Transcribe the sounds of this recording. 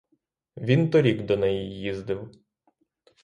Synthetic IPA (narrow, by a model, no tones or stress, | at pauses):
ʋʲint̪ɔɾʲiɡd̪ɔnɛjijːizd̪ɪw